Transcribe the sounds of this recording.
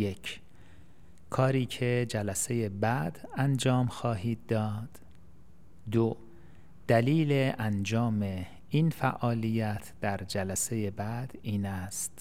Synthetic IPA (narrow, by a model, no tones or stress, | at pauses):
jecʰ | kʰɒːɾiːcʰed͡ʒælæse̞jebæd̪ænd͡ʒɒːmxɒːɦiːd̪̚ːɒːd̪̥ | d̪o | d̪̥æliːleʔænd͡ʒɒːme̞ | iːnfæʔɒːlijæt̪ʰd̪̥æɾd͡ʒælæse̞jebæd̪̥iːnæst̪